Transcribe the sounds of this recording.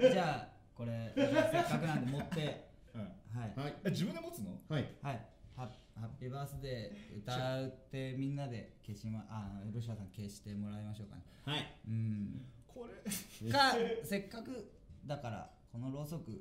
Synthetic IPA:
d͡ʑaː | ko̞ɾe̞ssekːakɯ̟nãnd̪emot̪ːe̞ | haied͡ʑibɯ̃nd̪emot͡sɨnohhaiha | hapʲːiːbaːsɨd̪e̞ɯ̟t̪aaɯ̟t̪ːe̞mʲĩnːad̪e̞keɕimaʔanoɾoɕ̬iasãŋke̞ɕi̥t̪e̞mo̞ɾaimaɕo̞ːka̰ne | aɯ̟̃ɴkʰoɾekase̞kːakɯ̟ | d̪akaɾa̰ | ko̞no̞ɾo̞ːso̞kɯ̟

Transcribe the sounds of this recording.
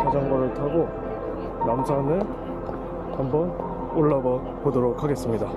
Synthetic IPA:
kʰad͡ʑʌŋɡʌɾɯɭtʰaɡo | namd͡ʑʰanɯɭ | hambʌn | oɭːʌbʌ | podoɾokʰaɡe̞s͈ɯmɲida

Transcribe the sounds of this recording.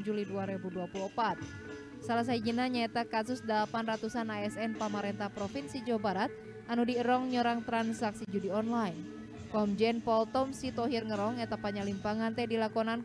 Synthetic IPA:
d͡ʒuliduaɾɛbuduapuluəpat̪̚ | salas̬aid͡ʒinaɲaɛt̪akasusdalapanrat̪usanaɛsɛnpamaɾɛnt̪ahpɾɔfinsid͡ʒabaɾat̪̚ | ʔanudiəɾɔŋɲɔɾaŋt̪ɾansaksid͡ʒudiɔnlain | kɔmd͡ʒɛnpɔlt̪ɔmsit̪ɔɦirŋəɾɔŋɛt̪apaɲalimpaŋant̪ɛhdilakɔnan

